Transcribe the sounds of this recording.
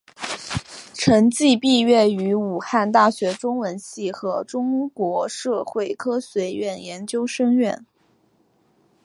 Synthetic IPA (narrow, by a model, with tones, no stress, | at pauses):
ʈ͡ʂʰɤ˧˥ŋt͡ɕi˥˧pi˥˧ɥɛ˥˩y˧˥u˨˩xa˥˧nt̪a˥˩ɕɥɛ˧˥ʈ͡ʂʊ˥ŋwə˧˥nɕi˥˩xɤ˧˥ʈ͡ʂʊ˥ŋkwɔ˧˥ʂɤ˥˧xwe˥˩ɪkʰɤ˥swe˧˥ɪɥɛ˥˩njɛ˧˥nt͡ɕjo˥ʊʂɤ˥ŋɥɛ˥˩n